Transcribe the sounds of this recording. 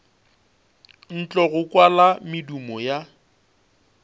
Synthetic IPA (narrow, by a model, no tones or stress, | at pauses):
n̩t͡ɬʼɔɣʊkʼwalamɪdumɔja